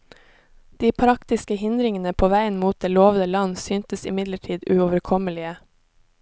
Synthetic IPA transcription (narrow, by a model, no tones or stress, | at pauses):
d̪̥iːpʰɾɑkt̪ɪskəhɪnd̪ɾɪŋənəpʰoːʋæɪənmuːt̪̚d̪eːloːʋnəlɑnsyːnt̪əsɪmɪd̪ləʈʰiːd̪ʉoːʋəɾkʰɔməlɪə